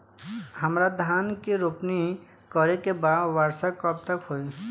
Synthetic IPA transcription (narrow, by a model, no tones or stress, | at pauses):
həmɾad̪ʱaːnkiɾopni | kɔɾekebaːd̪ʋaɾsakəb̚t̪əkɦoi